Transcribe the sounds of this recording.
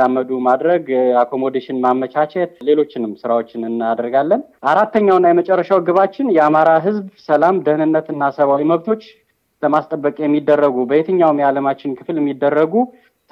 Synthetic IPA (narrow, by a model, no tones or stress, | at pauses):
amːəd̪umad̪ɾəɡakʰo̞mo̞d̪eʃɪnmamːət͡ʃʰat͡ʃɛt̪le̞lo̞t͡ʃːɪnɨmsɨɾawo̞t͡ʃːɪnɨnːad̪əɾɡalːənʔaɾat̪ːəɲːawnːajɛmət͡ʃʼɛrːəʃawɡɨβat͡ʃːɪnjɛamaɾaɦɨzbsəlamd̪əhnɨnːət̪ɨnːasəβawiməβt̪ʰo̞t͡ʃː | ləmast̪ʼəbːəkʼjɛmːid̪ːərːəɡubəjet̪ʰəɲːawmjaləmat͡ʃːɪnkʰɨfljɛmːid̪ːərːəɡu | t̪ʰ